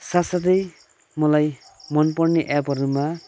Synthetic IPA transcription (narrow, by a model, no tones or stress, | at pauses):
sasad̪ej | mɔlajmɔnpɔɾniʔabʌɾuma